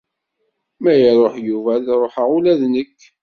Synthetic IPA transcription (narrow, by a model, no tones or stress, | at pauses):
mæjɾˤoħjuvælɾˤoħəʁulæðnəkː